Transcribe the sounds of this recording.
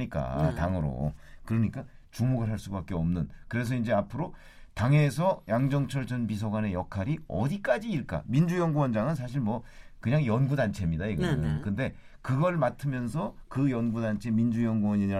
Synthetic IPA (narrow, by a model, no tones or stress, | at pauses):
ɲik͈a̰taŋɯɾo̰kɯɾʌɲik͈at͡ɕumoɡɯɭɦaɭs͈ubak͈eʌmnɯnkɯɾe̞s̬ʰʌind͡ʑe̞apʰɯɾo | taŋe̞sʰʌjaŋd͡ʑʌŋt͡ɕʰʌɭt͡ɕ͈ʰʌnbis̬ʰoɡwane̞jʌkʰaɾiʌ̰dik͈ad͡ʑiːɭk͈a̰mind͡ʑujʌŋɡuwʌnd͡ʑaŋɯns̬ʰaɕ̬ʰiɭmwʌkɯɲaŋjʌnɡudant͡ɕʰe̞mɲidaiɡʌɯnkɯnde̞ | kɯɡʌɭmatʰɯmjʌnsʰʌkɯjʌnɡudant͡ɕʰe̞mind͡ʑujʌŋɡuwʌɲiiɾa